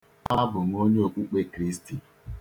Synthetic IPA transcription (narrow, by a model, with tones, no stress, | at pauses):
a˦bʊ˨ŋ̩˨o˦ɲe˦o˨kʷu˦k͡pe˦kɾi˦sti˨